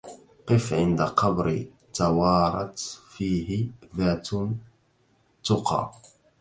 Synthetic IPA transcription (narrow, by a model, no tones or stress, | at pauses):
qɨfʕɪnd̪aqɑbɾi | t̪awɑːɾˤɑt̪fiːɦɪðaːt̪ | t̪ʊqɑ̰ː